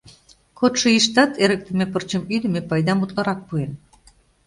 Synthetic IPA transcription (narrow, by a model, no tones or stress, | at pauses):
kot̪ʃɤ̆iʃt̪ɑt̪ʰeɾək̚t̪ə̆mepərt͡ɕə̆myd̪ə̆mepɑjd̪ɑmut̪lɑɾɑk̚puen